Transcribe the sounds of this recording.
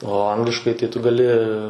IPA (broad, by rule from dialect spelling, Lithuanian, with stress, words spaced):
oː ˈɐŋɡlʲɪʃkɐɪ tɐɪ tʊ ɡɐˈlʲɪ